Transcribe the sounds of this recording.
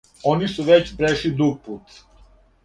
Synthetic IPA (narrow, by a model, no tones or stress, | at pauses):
onisuʋet͡ɕbɾeʃid̪ɾuɡ̚puːt̪